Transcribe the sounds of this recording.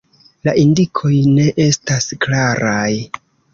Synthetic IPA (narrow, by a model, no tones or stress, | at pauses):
laʔindikʰo̞jne̞ʔe̞stasklaɾaj